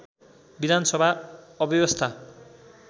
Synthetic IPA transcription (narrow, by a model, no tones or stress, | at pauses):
bid̪ʱansʌbʱaːbjʌbʌst̪ʰa